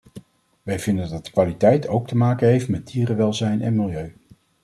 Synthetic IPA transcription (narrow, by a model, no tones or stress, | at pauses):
ʋɛjvɪndəndɑtdə̥kʋaːlitɛjtʰowk̚təmaːkənɦejftmɛd̚diːrəʋɛlˠzɛjnʔɛ̰nmɪlˠjøɥ